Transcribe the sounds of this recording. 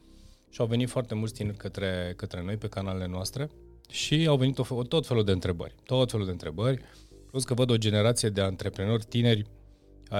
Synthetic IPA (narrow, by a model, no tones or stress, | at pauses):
ʃiawve̞nit̪foart̪e̞mult̪sʲt̪ine̞rʲkət̪ɾe̞kət̪ɾe̞no̞jpe̞kanalele̞noast̪ɾe̞ | ʃiawvenit̪ofot̪o̞t̪fe̞luld̪e̞ɨnt̪ɾe̞bə̰rʲt̪ot̪ːot̪felud̪e̞ɨnt̪ɾe̞bərʲ | kɾoskəvəd̪o̞d͡ʒe̞ne̞ɾat̪sijed̪e̞ant̪ɾe̞pɾeno̞rʲt̪ine̞rʲ